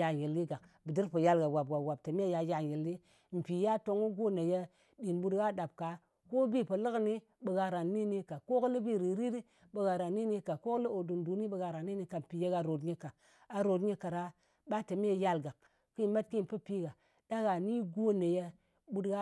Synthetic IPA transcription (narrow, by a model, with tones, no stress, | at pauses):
a˨ɲi˨lːi˦ɡa˨kbi˨di˦ɾpə˨ja˦lɡa˨wa˨bwa˨bwa˨b̚ta˨m˦e˦ja˨ja˨ji˨lːi˦ | m̩˨pi˨ja˦to˦ŋu˦ɡo˦ne˨je˦ | ɗi˨nbu˦dɡa˦ɗa˨b̚ka˨˦ | ko˦bi˦pə˨lə˦kni˦ | ɓə˨ɡa˨ɾa˨nːi˦ni˦ka˨ko˦kli˦bi˦˨ɾi˨ɾi˦ɾi˦ | ɓə˨ɡa˨ɾa˨nːi˦ni˦ka˨ko˦kli˦o˨du˨ndu˨ni˦ɓə˨ɡa˨ɾa˨nːi˦ni˦ka˨m̩˨pi˨je˦ɡa˨ɾo˨dɲi˦ka˨ | a˨ɾo˨dɲi˦ka˨ɾa˦ | ɓa˦ta˨m˦e˦˨ja˦lɡa˨k̚ | ki˦ma˦t̚ki˦˨pə˦pi˦ɡa˨ | da˦ɡa˨ni˦ɡo˦ne˨je˦ | ɓu˦dɡa˦